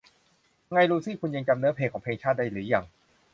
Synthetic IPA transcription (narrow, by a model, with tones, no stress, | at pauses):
ŋa˧jɾuː˧sʰiː˥˩kʰu˧nja˧ŋt͡ɕa˧mnɤ˧˦˥pʰeː˧˩kʰɔː˩˦pʰeː˧ŋt͡ɕʰaː˥˩t̪̚da˥˩lɯː˩˦ja˧˩ŋ